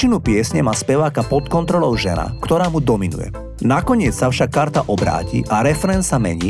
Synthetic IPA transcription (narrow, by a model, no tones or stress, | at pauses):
inupɪɛsɲɛmaːspɛʋaːkapɔt̪kɔnt̪ɾɔlɔʊʒɛna̰kt̪ɔɾaːmud̪ɔminṵjɛ̰ | nakɔɲɪɛt͡ssafʃakːaɾt̪aʔɔbɾa̰ːcḭʔaɾɛfɛɾɛnsamɛ̰ɲiː